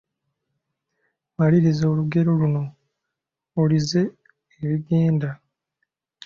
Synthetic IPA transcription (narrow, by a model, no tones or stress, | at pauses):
maliɾizoːluɡe̞ɾo̞luno̞ | olize̞ː | βiɡe̞ːnda